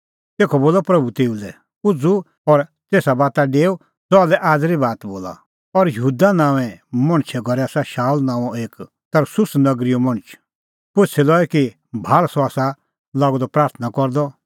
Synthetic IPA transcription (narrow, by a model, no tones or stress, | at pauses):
t̪eːkʰɔboːlɔpɾɐbʱut̪eːulɛ | ʊd͡zu | ɔɾt̪eːsabaːt̪aɖeːo | d͡zɔalɛʔaːd͡zɾibaːt̪boːla̰ | ɔɾjəɦuːd̪anãːʋɛ̃mɐ̃ɽ̃t͡ʃʰɛɡʱɔɾɛasaʃaːlnãːɔeːk | t̪ɐɾsʊsnɐɡɾijomɐ̃ɽ̃t͡ʃʰ | pʊt͡sʰɛlɔːɛki | bʱaːɭsɔaːsa | laːɡɔd̪ɔpɾaːɾt̪ʰənakɔɾd̪ɔ